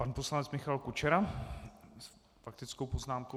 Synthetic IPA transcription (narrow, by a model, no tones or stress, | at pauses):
panpo̞slanɛt͡smɪxalkut͡ʃɛɾa | s | fak̚t̪ɪt͡sko̞wpo̞znaːmko